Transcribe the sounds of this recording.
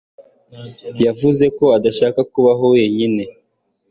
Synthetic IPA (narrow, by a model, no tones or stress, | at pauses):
javuze̞ko̞adaʃaːkakuβaɦo̞we̞ːɲine̞